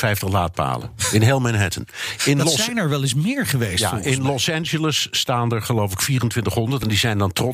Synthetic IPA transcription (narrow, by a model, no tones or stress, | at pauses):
fɛjftəχla̰ːt̚pa̰ːlə̰nɪnɦelˠmɛnɦɛtə̰nɪnlɔsnɛɹʋɛlˠɪsmɪːɹχəʋejsa̰ɪnlɔsɛnʒələsːtaːndəɹχəlowfəlɪkfiːrəntʋɪntəχɦɔndəɹtɛndizɛjndɑntrɔ